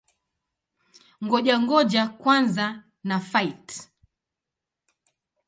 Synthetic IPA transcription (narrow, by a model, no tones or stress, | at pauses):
ŋɡɔʄaŋɡɔʄakwanza | nafait